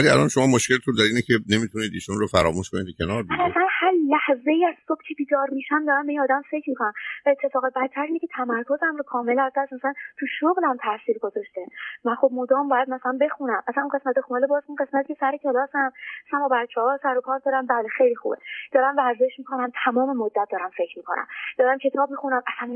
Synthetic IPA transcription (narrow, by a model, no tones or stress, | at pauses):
æliæ̰lɒ̰nʃomɒːmoʃcelt̪ʰund̪æɾiːnekʰene̞mit̪ʰuniːd̪iːʃunɾofæɾɒ̰ːmuʃkoniːt̪cʰenɒːɾvæliæsænhæɾlæhze̞iːæz̥sob̥̚cʰebiːd̪ɒːɾmiːʃæmd̪ɒːɾæmbe̞iːnɒːd̪æmfe̞cʰɾmikʰonæmvæet̪ʰːe̞fɒːɣebæt̪̚t̪ʰæɾinicet̪ʰæmæɾkʰozæmɾokʰɒːme̞læzd̪æst̪mæsælænt̪ʰuʃoɣlæmt̪ʰæsiːlɡo̞zɒʃt̪emænxo̞b̚mod̪ɒːmbɒːjæd̪mæsælænbe̞xunæmʔæsænunɢe̞smæt̪exunelebɒːzunɢe̞smæt̪ʰicʰesæɾecʰelɒːsæmæsæmbɒːbæɾt͡ʃʰɛhɒːsæɾokʰɒːɾd̪ɒːɾæmbæːlexejlixṵːbḛd̪̥ɒːɾæmvæɾze̞ʃmiːkʰo̞næmt̪ʰæmɒːme̞mod̪ːæt̪̚d̪ɒːɾæmfe̞cʰmiːkʰo̞næ̰md̥̪ɒːɾæmcʰe̞t̪ʰɒːb̚mixunæmʔæsæm